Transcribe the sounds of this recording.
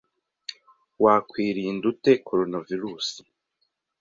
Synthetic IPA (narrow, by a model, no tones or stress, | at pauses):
waːkwiːɾiːndute̞koɾonaviɾuːsi̥